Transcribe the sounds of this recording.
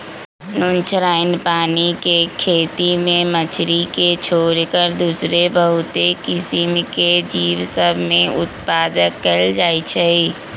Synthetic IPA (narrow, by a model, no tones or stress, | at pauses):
nʊnt͡ʃʰɾaːɪnpaːnikekʰeːt̪imẽmət͡ʃʰɾiket͡ʃʰoːɾkəɾd̪usɾebəɦʊt̪ekɪsimked͡ʒiːʋsəbʱmẽʊt̪paːd̪əkːəld͡ʒaːit͡ʃʰəi